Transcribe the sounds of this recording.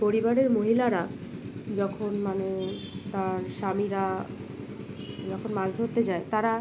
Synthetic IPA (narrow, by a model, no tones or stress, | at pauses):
poɾibaɾeɾmoɦilaɾad͡ʑɔkʰonmane | t̪aɾʃamiɾa | d͡ʑɔkʰonmad͡ʑd̪ʱoɾt̪ed͡ʑaet̪aɾa